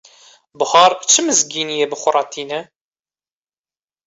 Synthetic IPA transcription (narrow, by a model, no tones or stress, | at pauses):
bhɑɾˤt͡ʃːəməzɡinijæbχʷʊɾˤɑt̪inæ